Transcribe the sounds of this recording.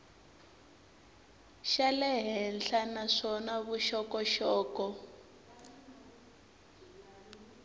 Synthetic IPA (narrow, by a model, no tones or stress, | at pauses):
ʃalɛɦɛnɬanaʂɔnaβuʃɔkɔʃɔːkɔ